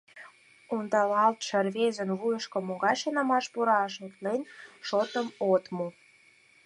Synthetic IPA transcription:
ond̪ɑlɑlt̪ʃə̆rβezə̆nβujə̆ʃkŏmoɣɑjʃɤnɑmɑʃpuɾɑʃut̪lenʃot̪əmot̪mu

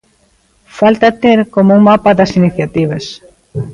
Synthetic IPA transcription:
falt̪at̪eɾkomouŋmapaðɐsiniθjat̪iβ̞ɐs

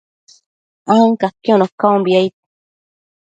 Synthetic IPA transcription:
aŋkakiõnokaombiait̪̚

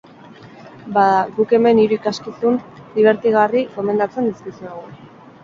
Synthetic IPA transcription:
baðaɡuke̞me̞niɾuikaskisund̪iβ̞e̞ɾt̪iɣ̞ariko̞me̞nd̪at͡se̞nd̪iskisueɣ̞u

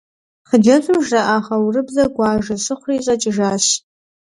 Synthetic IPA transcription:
χəd͡ʒɐzʷɨmʒɐʔaːχɐwrɨbzɐɡʷɑːʒɐsɨχʷriːɕʼɐt͡ʃʼɪʒaːɕ

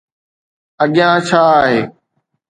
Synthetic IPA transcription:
əɠɪjãːt͡ʃʰaːɦeː

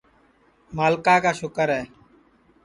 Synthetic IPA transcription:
maːlkaːkaːʃʊkəɾɦɛː

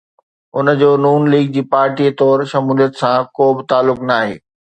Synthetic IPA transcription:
ʊn̆d͡ʑoːnuːnliːɡ̚d͡ʑiːpaːɾʈiːt̪ɔːɾʃɐmuːlijət̪sãkoːbɪt̪aːlːʊknaːɦḛː

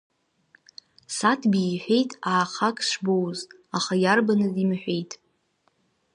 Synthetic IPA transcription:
satʰbiːħʷᶣe̞jtʼaːχakʰʼʃʷbowz | aχajarbanɨzimħʷᶣe̞jtʼ

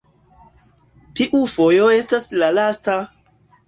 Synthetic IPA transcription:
tiʔufo̞jo̞e̞staslalasta

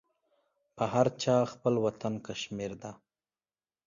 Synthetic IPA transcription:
pəɦaɾt͡ʃɑxpəlwat̪ankaʃmiɾd̪a

